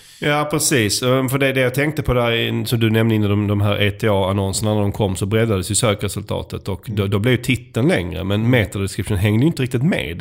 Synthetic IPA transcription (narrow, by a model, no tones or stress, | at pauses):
jɑːpʰɾɛsiːsɔfœɖɛd̪ɛjɑːt̪ʰɛŋk̚t̪əpʰɔd̪æɾsɔmd̪ɵnɛmnəɪnːaɖɔmd̪ɔmɦæːɾʔeːt̪ʰɛɑːanɔnsənanæɖ̪ɔmkʰɔmːsɔbɾɛd̪ːad̪əsjɵsøːkɾɛsɵlt̪ʰɑ̰ːt̪ət̪ɔkd̪ɔd̪ɔblɛvjt̪ʰɪt̪ːənlɛ̰ŋɾə̰mɛnmeːt̪ad̪ɛskɾɪpʰʂɪnɦɛŋːd̪əɛjʏnt̪əɾɪk̚t̪ɪt̪mḛːd̪